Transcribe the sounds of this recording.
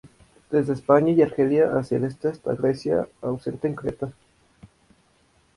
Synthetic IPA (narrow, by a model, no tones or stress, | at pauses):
d̪̥e̞zðeːspaɲaiaɾxeljaʔasja̰le̞st̪east̪a̰ɣɾe̞sja̰awse̞nt̪eːŋkɾet̪a